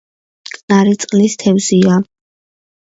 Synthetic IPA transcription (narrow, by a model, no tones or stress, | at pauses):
kʼnaɾit̪sʼqʼlist̪ʰɛvzia